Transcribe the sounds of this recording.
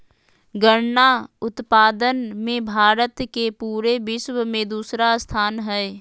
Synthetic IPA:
ɡəɾnaʊt̪paːd̪ənmẽbʱaːɾət̪kepuːɾebɪʃwmẽd̪uːsɾast̪ʰaːnɦɛː

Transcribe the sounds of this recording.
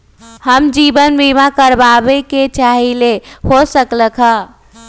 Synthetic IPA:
həmd͡ʒibənbimakəɾbabeket͡ʃaɦilehosəkləkʰɦə

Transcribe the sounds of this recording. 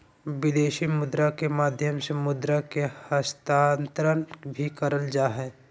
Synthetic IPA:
ʋɪd̪eːʃimʊd̪ɾakemaːd̪ʱjəmsemʊd̪ɾakehəst̪aːnt̪ɾənbʱikəɾəld͡ʒaːɦɛː

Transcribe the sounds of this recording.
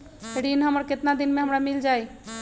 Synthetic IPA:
eɽinɦəməɾket̪nad̪inmeɦəmɾamild͡ʒaj

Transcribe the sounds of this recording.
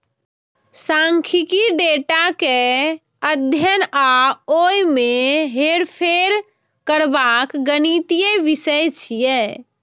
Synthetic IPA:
sãŋkʰikiɖeʈake | əd̪ʱjənaojmeɦeɽpʰeɾ | kəɾbakɡənit̪ijeʋisəjt͡ʃʰijɛ

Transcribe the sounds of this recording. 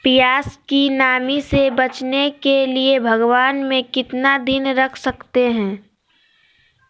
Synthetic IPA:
pijaːskinaːmisebɐt͡ʃnekeliebʱɐɡʋaːnmẽkɪt̪nad̪ɪnɾɐkʰsɐkt̪eɦɛ̃ː

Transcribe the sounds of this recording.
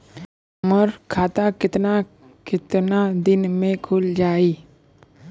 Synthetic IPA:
məɾkʰaːt̪akɪt̪na | kɪt̪nad̪ɪnmẽkʰʊld͡ʒaːiː

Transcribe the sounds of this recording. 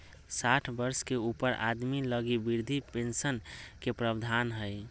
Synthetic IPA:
saʈʰbəɾskeupəɾʔa̰d̪miləɡibiɾd̪ʱipensənkepɾəbd̪ʱanɦəj

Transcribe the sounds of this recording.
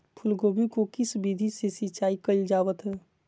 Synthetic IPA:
pʰʊlɡoːbikokɪsbid̪ʱisesit͡ʃaːikəld͡ʒaːʋət̪ɦɛː

